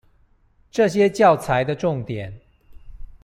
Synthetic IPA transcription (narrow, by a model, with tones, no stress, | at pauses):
ʈ͡ʂɤ˥˨ɕjɛ˦t͡ɕjɑ˥˨ʊt͡sʰa˨˦ɪd̪ə˧ʈ͡ʂʊ˥˨ŋt̪jɛ˨˩˦n